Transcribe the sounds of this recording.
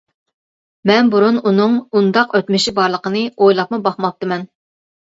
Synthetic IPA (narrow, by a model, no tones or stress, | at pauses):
mɛnbuɾununɨŋund̪ɑqøt̪mɪʃibɑɾlˠəqənɨojlˠɑp̚mubɑχmɑp̚t̪ɨmɛn